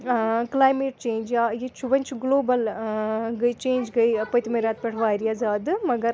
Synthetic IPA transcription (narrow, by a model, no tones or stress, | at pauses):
klaːjmeːʈ̚t͡ʃeːnd͡ʒajit͡ʃʰuʋɐnʲt͡ʃʰuɡloːbɐl | ɡɐjt͡ʃeːnd͡ʒɡɐjpɐjt̪imɐɾaːt̪̚pʲɛʈʰʋaːɾijazaːd̪ɨmɐɡɐɾ